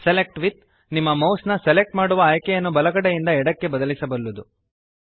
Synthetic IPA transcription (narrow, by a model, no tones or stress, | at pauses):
selek̚ʈʋit̪̚ | nimːɐmɐwsnɐselek̚ʈmaːɽuʋɐaːjkɛjɐnːubɐlɐɡɐɽejind̪ɐɛɽɐkːe̞bɐd̪ɐlisɐbɐɾlud̪u